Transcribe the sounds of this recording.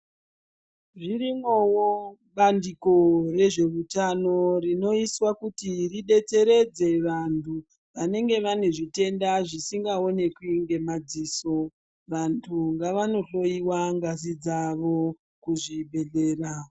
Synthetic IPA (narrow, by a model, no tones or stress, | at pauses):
ʐirimowo | ɓandiko̞re̞ʐe̞rutano̞rino̞iswakutiriɗe̞t͡se̞ɾe̞d͡ze̞ʋantʰu | ʋane̞ŋɡe̞ʋane̞ʐite̞ndaʐisiŋɡao̞ne̞kuiiŋɡe̞mad͡ziːso̞ | ʋantʰuŋɡaʋano̞ɬo̞iwaŋɡazid͡zaʋo̞ | kuʐiɓe̞ɮe̞ːra